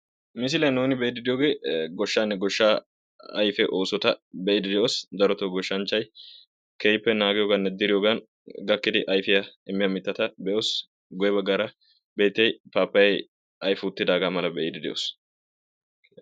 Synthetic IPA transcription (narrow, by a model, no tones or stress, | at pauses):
mɪs̬ɪlɐnoːnɪbɛjɪd̪ɪd̪ɪjoːɡe̞ːɡɔʃːaːnːɛɡɔʃːaː | ɐ̰jfɛʔo̞ːsɔt̪ɐbɛʔɪd̪ɪd̪ɪʔoːsd̪ɐɾɔt̪oɡɔʃːɐnt͡ʃːɐj | kejɪpːɛnaːɡɪjoːɡɐnːɛd̪ɪɾɪjoːɡɐn | ɡɐkːɪd̪ɪʔɐjfɪjɐɪmːɪjɐmɪt̪ːɐt̪ɐbɛʔoːs | ɡɔjɛbɐɡːaːɾɐ | be̞ːt̪ːɛjpaːpːɐjɛj | ʔɐjfʊt̪ːɪd̪aːɡaːmɐlɐbɛʔɪd̪ɪd̪ɛʔo̰ːs